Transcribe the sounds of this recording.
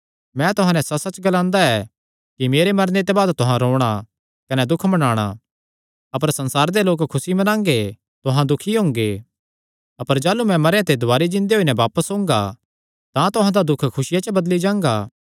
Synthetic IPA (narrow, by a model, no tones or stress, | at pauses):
mɛ̃t̪ʊɦãnɛ̃sɐsɐt͡ʃɡɐlãːnd̪aɛ | kimeːɾemɐɾnet̪ebaːd̪t̪ʊɦãɾoːɽ̃a | kɐnɛd̪ʊkʰmɐnaːɽ̃a̰ | ɐpəɾsɐ̃nsaːɾd̪eloːkkʰːʊsimɐnãːŋɡe | t̪ʊɦãd̪ʊkʰiɦõːŋɡe | ɐpəɾd͡ʒaːlumɛ̃mɐɾjãt̪ed̪ʱʊaːɾid͡ʒɪ̃nd̪eoːinɛbaːpəsɦõːŋɡa̰ | t̪ãt̪ʊɦãd̪ad̪ʊkʰkʰʊsɪjat͡ʃəbɐd̪lid͡ʒãːŋɡaː